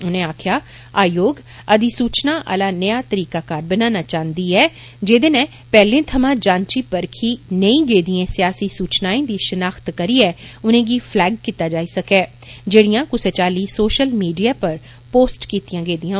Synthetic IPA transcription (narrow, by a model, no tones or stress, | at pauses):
ʊnẽaːkʰjaː | aːjoːɡ | ɐd̪isuːt͡ʃnaʔa̰ːlaːnɐjaːt̪əɾiːkaːkaːɾbənaːnat͡ʃaːnd̪iɦɛː | d͡ʒeːd̪enɛ̃ | pɛːlẽt̪ʰɐmãːd͡ʒãːnt͡ʃiːpəɾkʰinəĩɡeːd̪iẽːsjaːsisuːt͡ʃnaːẽd̪iːʃənaːxt̪kɐɾiɛːʊnẽɡiːfʰlɛːɡ̚kit̪ad͡ʒaːisɐkɛːd͡ʒeːɽijãkʊset͡ʃaːliːsoːʃəlmiːɖijaːpəɾ | poːsʈkiːt̪ijãɡeːd̪ijãː